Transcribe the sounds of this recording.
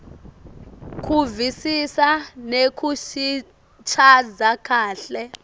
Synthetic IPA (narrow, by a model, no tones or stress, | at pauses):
kʰuvisisanekʰuʃi | t͡ʃʰad͡zakʰaːɬɛ